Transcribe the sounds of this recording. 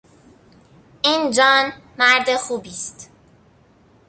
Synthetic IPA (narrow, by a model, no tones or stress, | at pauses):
ʔiːnd͡ʒɒːnmæɾd̪exuːbiːst̪